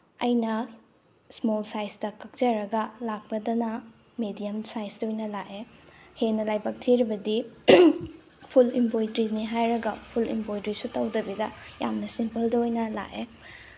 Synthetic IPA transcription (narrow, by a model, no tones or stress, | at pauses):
ɐjnɐ | smolsajstɐkɐk̚t͡ʃɐɾɐɡɐlak̚pɐdɐnɐ | medijɐmsajsdɐojnɐlaʔehenɐlajbɐk̚tʰiɾibɐdi | pʰulimpojdɾiniɦajɾɐɡɐpʰulḭmpojdɾisutɐwdɐbidɐja̰mnɐsimpɐldɐojnɐla̰ʔe